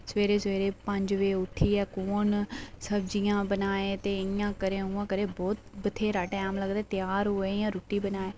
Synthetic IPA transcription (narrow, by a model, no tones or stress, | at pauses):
sʋeːɾeːsʋeːɾeːpəɲd͡ʒʋeːʊt̪ʰːiːɛːkoːnsəbd͡ʒijãːbənaːeːt̪eːɪjãːkəɾeːɦũːãːkəɾeːbɔːt̪bət̪ʰeːɾaːʈɛ̃ːaːmləɡd̪aːt̪ɪjaːɾɦoːeːjãːɾuːʈːiːbənaːeː